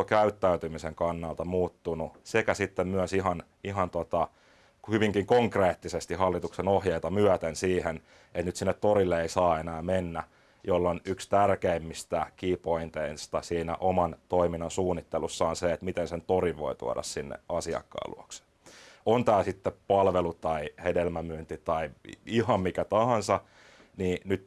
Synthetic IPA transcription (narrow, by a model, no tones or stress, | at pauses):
okæyt̪ːæyt̪ymiseŋkɑnːɑlt̪ɑmuːt̪ːunusekæsit̪ːemmyœsiɦɑn | iɦɑnt̪ot̪ɑ | hyʋiŋkiŋkoŋkreːt̪ːisest̪ihɑlːit̪uksenohjeit̪ɑmyœt̪ensiːhen | et̪nyt̪sinːet̪t̪orilːeeisɑːenæːmenːæ | jolːonykst̪ærkeimːist̪ækipoint̪einst̪ɑsiːnæ̰ʔomɑnt̪oiminːɑnsuːnːit̪ːelusːɑːnseet̪mit̪ensent̪oriʋʋo̰it̪ṵɑ̰ɾɑ̰ssinːḛɑsiɑ̰kːɑ̰ːlṵokse̥ | ont̪æːsit̪ːepɑlʋelut̪ɑihedelmæmyːnt̪it̪ɑiihɑmmikæt̪ɑhɑnsɑ | niːnyt̪